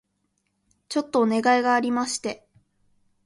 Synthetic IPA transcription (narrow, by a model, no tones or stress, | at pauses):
t͡ɕo̞t̪ːo̞ːne̞ɡaiɡaːɾʲimaɕi̥t̪e̞